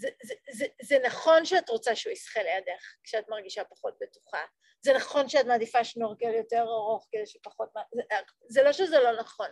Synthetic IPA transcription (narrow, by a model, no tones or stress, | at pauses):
zezezezenaχo̞nʃeatʁo̞t͡saʃeuisχelejadeχkʃeatmaʁɡiʃapaχo̞t̚betu̥χa̰ | zenaχo̞nʃeatmaːdifaʃnoʁkeljo̞teʁaʁoχkedejʃepaχo̞t̚maze | zelo̞ʃezelo̞naχo̞n